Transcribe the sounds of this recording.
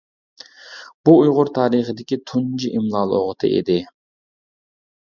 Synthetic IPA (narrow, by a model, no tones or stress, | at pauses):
b̥uːjʁʊɾt̪ʰɑːɾəχəd̪ɪkʲit̪ʰund͡ʒiʔimlˠɑːlˠo̰ʁət̪ʰɨ̰ʔḛd̪ɪ